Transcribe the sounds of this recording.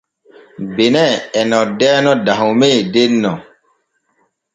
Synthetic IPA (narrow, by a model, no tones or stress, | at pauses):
benɛɛnɔdɛːnɔdaɦumedenːɔ